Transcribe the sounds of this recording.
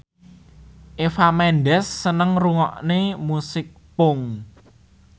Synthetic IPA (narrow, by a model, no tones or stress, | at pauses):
ʔefamɛnɖɛsːənəŋruŋɔʔnemusɪk̚pʊŋ